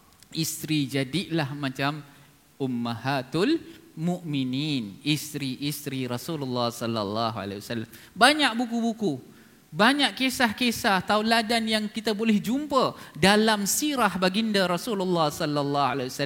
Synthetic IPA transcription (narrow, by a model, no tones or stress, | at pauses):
ist̪ɾid͡ʒadiʔlahmãt͡ʃam | umːahat̪ulmuʔmininist̪ɾiʔist̪ɾiɾɔsululːɑhsɔlːa̰lːɑ̰ɦua̰la̰jiwasalːam | baɲaʔ̚bukubuku | baɲaʔkesahkesaht̪auladanjaŋkit̪abolɛhd͡ʒumpədalamsiɾahbaɡindaɾɔsululːɑhsɔlːalːɑhalaiwasa